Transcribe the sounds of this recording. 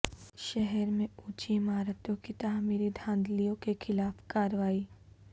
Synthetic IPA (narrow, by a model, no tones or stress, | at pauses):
ʃɛɦɛɾmẽuːt͡ʃimaːɾət̪õkit̪aːmiːɾid̪ʱãːnd̪lijõkexʰɪlaːfkaːɾʋaːiː